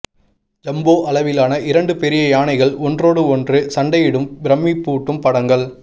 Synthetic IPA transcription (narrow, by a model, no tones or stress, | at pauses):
d͡ʒɐmboːʔɐlɐʋɪlaːnɐʔɪɾɐɳɖɯpɛɾɪjɐjaːnɐɪɣɐɭɔndroːɽɯɔndrɯsɐɳɖɐjɪɽɯmbɪɾɐmːipːuːʈːɯmpɐɽɐŋɡɐɭ